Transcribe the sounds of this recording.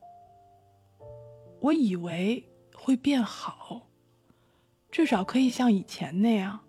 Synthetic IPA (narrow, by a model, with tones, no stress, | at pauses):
wɔ˧˥i˨˩we˧˥ɪ | xwe˥˧ɪpjɛ˥˩nxɑ˨˩˦ʊ | ʈ͡ʂ̩˥˩ʂɑ˨˩ʊkʰɤ˧˥i˨˩ɕjɑ˥˩ŋi˨˩t͡ɕʰjɛ̰˧˥nne˥˩ɪjɐ˩